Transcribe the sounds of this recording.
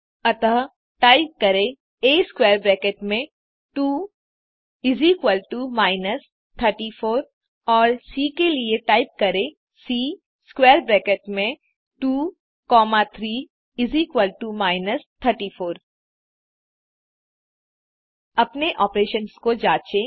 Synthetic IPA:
ɐt̪əɦ | ʈaːɪp̚kɐɾe | eːskwɛːɾbɾɛːkeʈmẽ | ʈuː | ɪziːkwəlʈumaːɪnəs | t̪ʰəɾʈifoːɾ | ɔːɾsiːkelieʈaːɪp̚kɐɾẽ | siː | skwɛːɾbɾɛːkeʈmẽ | ʈuː | kɔːmat̪ʰɾiː | ɪziːkwəlʈumaːɪnəst̪ʰəɾʈifoːɾ | ɐpneʔɔːpɾeːʃənskod͡ʒaːt͡ʃe

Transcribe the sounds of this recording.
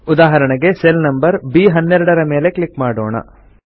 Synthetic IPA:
ud̪aːɦɐɾɐɳɐɡe̞selnɐmbɐɾbiːɦɐnːɛɾuɽɐɾɐme̞ːle̞klikmaːɽo̰ːɳɐ̰

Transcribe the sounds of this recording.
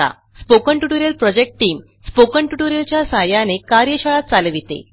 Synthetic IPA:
a̰ | spokəɳʈuʈuɾjəlpɾɔd͡ʑek̚ʈʈiːm | spokəɳʈuʈuɾjəlt͡ɕjasajanekaɾjəɕaɭat̪̚t͡salʋit̪ḛ

